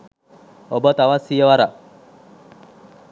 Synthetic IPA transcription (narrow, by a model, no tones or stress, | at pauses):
obət̪awasijəwaɾa